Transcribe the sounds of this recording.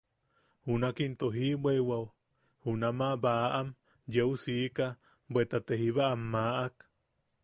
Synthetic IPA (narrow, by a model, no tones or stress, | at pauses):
hunakint̪oɦibewaw | hunamaʔβaʔʔam | jeusika | bwet̪at̪ehiβaʔːmːaʔak